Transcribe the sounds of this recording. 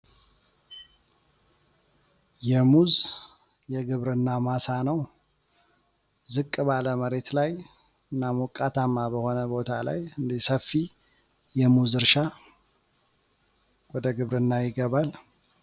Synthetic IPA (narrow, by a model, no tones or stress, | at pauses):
jɛmuz | jɛɡɨβɾɨnːamasanəw | zɨkʼbaləməɾe̞t̪laj | ɨnːamukʼːat̪ʰamːabəho̞nəbo̞t̪ʰala̰jɨnd̪isəfːi | jɛmuzɨɾʃa | wɔd̪əɡɨβɾɨnːajɪɡəβal